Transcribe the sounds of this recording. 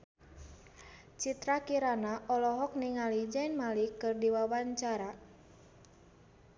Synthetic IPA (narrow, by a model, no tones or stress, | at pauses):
t͡ʃit̪ɾakiɾanaʔɔlɔɦɔk̚niŋalid͡ʒainmalikɨrdiwawaɲt͡ʃaɾa